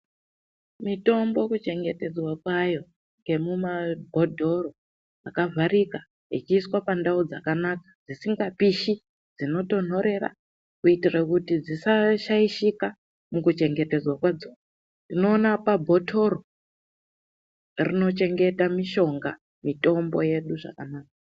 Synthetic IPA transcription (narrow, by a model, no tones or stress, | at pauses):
mito̞mbo̞kut͡ʃe̞ŋɡe̞te̞d͡zwakwajo̞ | ŋɡe̞mumabʱo̞dʱo̞ro | akavʱaɾika | it͡ʃiːswapandaud͡zakanakḁd͡zisiŋɡapiʃi | d͡zino̞to̞n̤o̞ɾe̞ra̰ | kuitirakutid͡zisaʃaiʃika | mukut͡ʃe̞ŋɡe̞te̞d͡zwakwad͡zoa | ndino̞ːnapabʱo̞tʰo̞ro | rino̞t͡ʃe̞ŋɡe̞tamiʃo̞ŋɡa | mito̞mbo̞je̞ɗuʐa̰kanaːka